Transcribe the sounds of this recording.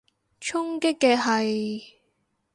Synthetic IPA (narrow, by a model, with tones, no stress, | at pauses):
t͡ʃʰʊ˥ŋkɪ˥kːɛː˧ɦɐ˨j